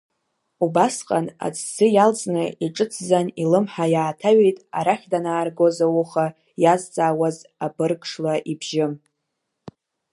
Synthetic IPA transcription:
ubasqʼana̰t͡sʰsɨjald͡zʼnɨiʈ͡ʂʼɨt͡sʰzanilɨmħajaːtʰaɥejtʼa̰ɾaχʲdanaːrɡozawuχa | jazt͡sʼaːwazabɨrkʰʼʂlaʔibʒɪm

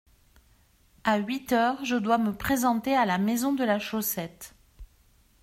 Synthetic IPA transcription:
aɥit̪œʁʒəd̪waməpχezɑ̃t̪ealamezɔ̃d̪əlaʃosɛt̪

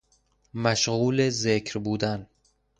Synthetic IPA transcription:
mæʃɣuːlezekʰɾbuːd̪æn

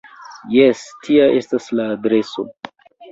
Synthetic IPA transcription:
jestʰiaʔe̞staslaːdɾe̞so̞̰

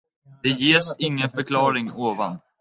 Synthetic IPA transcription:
d̪̥ɛjeːʂɪŋːənfœɾkʰlɑːɾɪŋoːva̰n

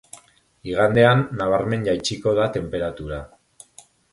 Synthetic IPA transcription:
iɣ̞and̪e̞anːaβ̞aɾme̞nʎajt͡ʃiko̞ð̞at̪e̞mpe̞ɾat̪uɾa

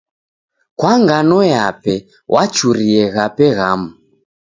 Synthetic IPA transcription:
kwaŋɡanɔjapɛ | wʔat͡ʃuɾiɛɣapɛɣamu

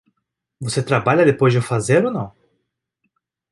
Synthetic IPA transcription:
voset̪ɾabaʎɐd̪epojzd͡ʒɪʊfazeɾonɐ̃w̃

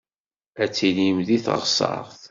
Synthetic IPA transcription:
æt͡sːilimðiθə̰ʁsɑ̰ɾˤθ

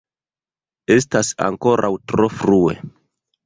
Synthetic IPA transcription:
e̞stasa̰ŋko̞ɾʔawtɾo̞fɾue̞̰

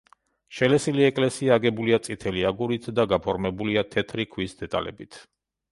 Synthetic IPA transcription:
ʃɛlɛsiliɛkʼlɛsiaːɡɛbuliat̪sʼit̪ʰɛliaɡuɾit̪ʰd̪aɡapʰɔɾmɛbuliat̪ʰɛt̪ʰɾikʰwisd̪ɛt̪ʼa̰lɛ̰bit̪ʰ

